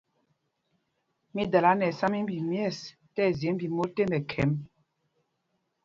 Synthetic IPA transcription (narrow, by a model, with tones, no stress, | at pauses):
mi˦da˨la˦nɛ˨sa˦mi˦m˦bi˨mjɛ˦˨s | tɛ˦˨ze˨˦mbi˨mo˦te˦mɛ˨kʰɛ˨˦m